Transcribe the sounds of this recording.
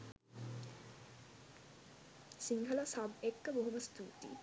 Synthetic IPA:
siŋɡʱəlasɐbekːəboɦuməst̪uːʈḭ

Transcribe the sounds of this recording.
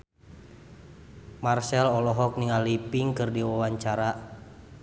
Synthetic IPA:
marsɛlɔlɔɦɔk̚niŋalipiŋkɨrdiwawaɲt͡ʃaɾa

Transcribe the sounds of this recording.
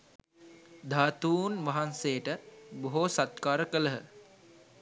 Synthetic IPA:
d̪ʱaːt̪uːnʋaɦansejəʈəboɦosat̪̚kaːɾəkələɦə

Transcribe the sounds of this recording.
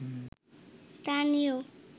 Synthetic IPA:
st̪anijo

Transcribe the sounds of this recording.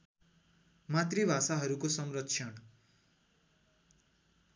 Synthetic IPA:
mat̪ribʱasaɦʌɾukosʌmrʌkt͡ʃʰʌn

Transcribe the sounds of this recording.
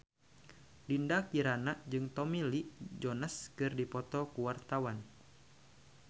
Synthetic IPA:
lindakiɾanaʔd͡ʒɨŋt̪ɔmilid͡ʒɔnaskɨrdipɔt̪ɔkuwart̪awan

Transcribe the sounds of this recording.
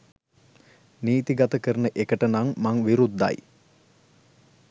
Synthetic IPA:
niːt̪iɡat̪əkəɾənəʔekəʈənaŋmaŋʋiɾud̪ːa̰j

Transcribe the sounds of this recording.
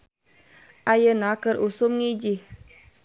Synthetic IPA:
ʔajənakərʔusʊmŋid͡ʒih

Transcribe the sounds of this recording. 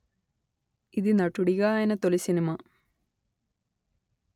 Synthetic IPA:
iðɨnɐʈːuɽiɣajenɐt̪olisinimɐ

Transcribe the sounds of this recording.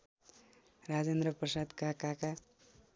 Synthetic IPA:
rad͡zend̪ɾʌprʌsad̪kakaka

